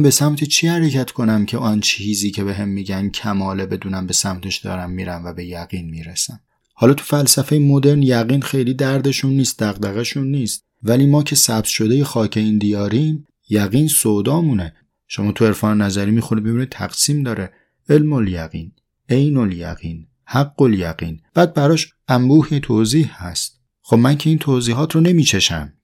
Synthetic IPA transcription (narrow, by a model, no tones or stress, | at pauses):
mbe̞sæmt̪ʰet͡ʃʰiːhæɾecʰæt̪ʰkʰo̞næmcʰe̞ɒːnt͡ʃʰihiːziːcʰe̞be̞ɦe̞mːiːɟæncʰæmɒːle̞be̞d̪uːnæmbe̞sæmt̪ʰe̞ʃd̪ɒ̰ːɾæmːiːɾænvæbe̞jæɣ̥iːnmiːɾesæn | hɒːlɒːt̪ʰu̥fælsæfe̞jemo̞d̪e̞ɾnjæɣiːnxe̞jliːd̪æɾd̪e̞ʃunːiːst̪̚d̪æɣd̪æɣæʃunːiːst̪̚ | væliːmɒːcʰe̞sæbt̪ʃo̞d̪eje̞xɒːcʰe̞iːnd̪ijɒːɾiːm | jæɣiːnsod̪ɒːmuːne | ʃo̞mɒːt̪ʰue̞ɾfɒːnenæzæɾiːmiːxoɾid̪mibunit̪ʰæ̰ɡ̥siːmd̪ɒːɾe | elmoljæ̰ɣḭːn | ejnoljæ̰ɣḭːn | hæɡːoljæɣiːnb̥æːd̪̚bæɾɒːʃ | ʔæmbuːhet̪ʰoːziːhhæ̰st̪̚ | xobmæncʰe̞iːnt̪ʰoːziːɦɒːt̪ʰrone̞miːt͡ʃʰe̞ʃæ̰m